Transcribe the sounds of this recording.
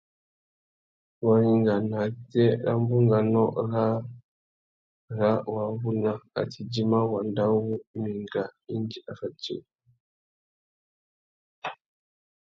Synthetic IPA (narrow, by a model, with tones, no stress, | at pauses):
wa˨hi˨ŋɡa˨na˨tɛ˦ɾa̰˦mbu˦ŋɡa˨nɔ˦ɾa˦ | ɾa˦wa˨βu˦na˦a̰˨tʰi˨d͡ʒi˦ma˦wa˨nda˦wu˦i˦mi˨ŋɡa˨i˦nd͡ʒi˦ʔa˨fa˨t͡ʃːḭ˨